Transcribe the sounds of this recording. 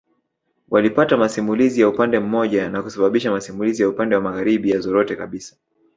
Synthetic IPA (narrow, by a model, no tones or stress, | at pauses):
wʔalipatamasimulizijaupandɛm̩mɔʄanakusaɓaɓiʃamasimbulizijaupandɛwamaɣaɾiɓijazɔɾɔtɛkaɓisḁ